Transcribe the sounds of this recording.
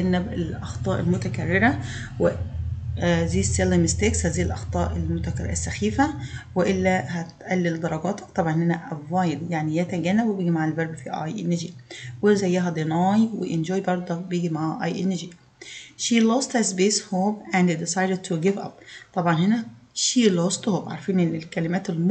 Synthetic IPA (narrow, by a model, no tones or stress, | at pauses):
ænːæbelʔɑxt̪ˤɑːʔelmʊt̪ækærːeɾæ | we | ziːsːelimst̪ekshæːziːjelʔɑxt̪ˤɑːʔelmʊt̪ækɾ̰ɾsːæxiːfæweʔɪlːæɦæt̪ʔælːild̪ɑɾˤɑɡɑːt̪ɑ̥kt̪ˤɑbʕɑnʔnːænæʔæbːɑjɾjaʕnijæt̪æɡænːæbwebeːɡimaʕalbɑɾbfiʔɑ̰jʔenːed͡ʒiwezæjːæɦæd̪enɑːjwḛʔend͡ʒoːjbɑɾˤd̪ˤobjeːɡimaʕʔɑ̰jʔenːd͡ʒi | ʃilost̪hæzbeːshoːbʔændedisɑjded̚t̪ʰuɡɪvɑ̰p̚t̪ˤɑbʕɑnɦenæʃilost̪hoːbʕa̰ɾˤfiːnʔenːlkælɪmæːt̪elm